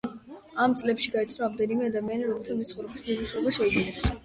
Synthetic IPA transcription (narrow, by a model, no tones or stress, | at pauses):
amt̪sʼlɛpʃiɡait̪sʰnɔɾamd̪ɛnimɛad̪amianiɾɔmɛlt̪ʰamissχɔvɾɛbisd̪imuʃɛɔbaʃɛuɡinɛs